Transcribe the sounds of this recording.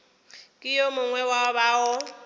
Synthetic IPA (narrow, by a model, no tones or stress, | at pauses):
kʼɪjomʊŋwɛwabaɔ